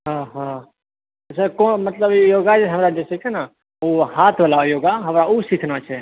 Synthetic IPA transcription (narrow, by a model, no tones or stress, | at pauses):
ɦãɦã | səkõːmət̪ləbjoːɡat͡ʃʰɛɦəmɾad͡ʒesikʰɛna | ohaːt̪ʰʋəlajoːɡaɦəmɾausikʰnat͡ʃʰɛ